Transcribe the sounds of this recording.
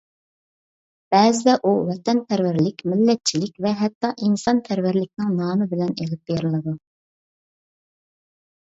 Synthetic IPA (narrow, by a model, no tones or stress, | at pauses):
b̥ɛzɪd̪ɛʔuwɛt̪ɛnpʰæɾvæɾlɪkʲmɪlːɛt̪̚t͡ʃʰilɪkʲvɛɦɛt̪ːɑʔinsɑnpʰæɾvæɾlɪk̚ʲnɪŋnɑːmɨbɪlɛnelɪp̚beɾɨlˠɨd̪u